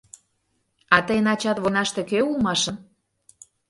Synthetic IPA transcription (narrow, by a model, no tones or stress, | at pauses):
ɑt̪əjnɑt͡ɕɑt̪βonɑʃt̪ekøulˠmɑʃən